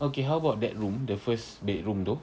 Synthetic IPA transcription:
okeɦawəbaʊt̚dɛ̰t̚ɹũmdəfəs | bet̚ɹũmdo

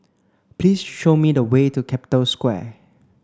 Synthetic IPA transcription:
pliːsʃomidəwetukʰɛpi̥tə̃lskwɛ̰

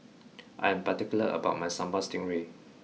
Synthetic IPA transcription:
ʔa̰jɛ̃mpatikjuləʔə̰baʊt̚majsãmbastĩŋɹe

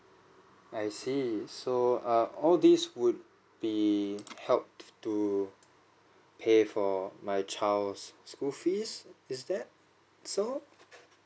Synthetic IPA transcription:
ajsisoʌɔldiswud̚ | b̥ihɛlp̚ttu | pʰefɔmajt͡ʃʰalsːkulfisɪsdɛt̚ | so

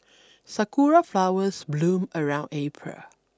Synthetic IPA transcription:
sakuɹaflawəsblũməɹãʊ̃ndepʰɹa̰

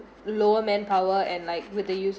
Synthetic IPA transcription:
loəmɛ̃npʰawəɛ̃nlaɪk̚wɪəjus

